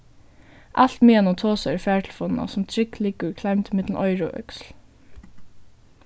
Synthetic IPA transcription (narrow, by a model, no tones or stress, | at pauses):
ʔɑl̥t̪miːɛnɔt̪ʰoːsœɛɹfæːɹʈʰl̩fɔnnɑ̰sʊmt̪ʰɹɪklɪkəɹkʰlaɪmt̪ʰɪmɪt̪l̩n̩ʔɔʏɹɔ̰ːʔœ̰ksl̩